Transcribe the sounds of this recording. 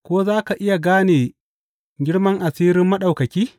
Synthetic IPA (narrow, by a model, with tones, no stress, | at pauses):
kʷoː˦zaː˦ka˨ʔɪ˦ja˨ɡaː˦neː˨ | ɡʲɪ˦ɽmɐ˦ŋʔa˨siː˦ɾɪ˦mːɐ˦ɗa˨wkɐ˨kʲiː˦